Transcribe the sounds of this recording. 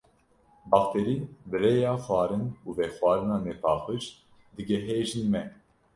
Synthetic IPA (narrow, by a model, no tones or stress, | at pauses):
bɑxt̪ʰeɾiːbɨɾeːjɑːxwʷɑːɾɨnuːvɛːxwɑːɾɨnɑːnɛpɑːxɨʃt̪ | d̪ɨɡɛɦeːʒɨnmɛ